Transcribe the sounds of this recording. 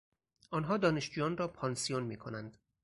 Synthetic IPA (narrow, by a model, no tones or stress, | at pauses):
ʔɒːnɦɒːd̪ɒːne̞ʃd͡ʒuːjɒːnrɒːpʰɒːnsijonmiːkʰonænd̪̥